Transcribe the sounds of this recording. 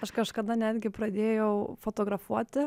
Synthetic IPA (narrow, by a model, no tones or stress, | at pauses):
ɐʃkɐʃkɐd̪ɐnʲæːd̪ʲɡʲɪpɾɐd̪ʲeːjɛʊfoːt̪oːɡɾɐfuɔt̪ʲɪ